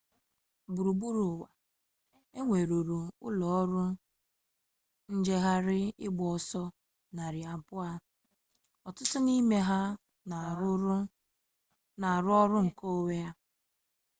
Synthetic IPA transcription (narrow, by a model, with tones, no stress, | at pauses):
bu˨ɾu˨bu˦ɾʊ˨wa˨ | e˦ŋʷe˨ɾo˨ɾu˨ʊ̰˦lɔ˨˦ɾʊ˦ | n̩˦d͡ʒe˦ɦa˦ɾɪ˦ɪ̰˦ɡ͡bɔ˨ɔ˨sɔ˦ | na˨ɾɪ˨a˨pʊ˦a˦ | ɔ˨tʊ˦tʊ˦ni˦me˦ɦa˦˨˦ | na˨ɾʊ˦ɔ˦ɾʊ˦ŋ̩˨ko˦we˦a˦